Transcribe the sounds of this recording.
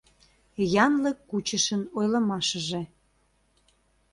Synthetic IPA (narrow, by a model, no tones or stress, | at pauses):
jɑnləkːut͡ɕəʃənojlə̆mɑʃə̆ʒĕ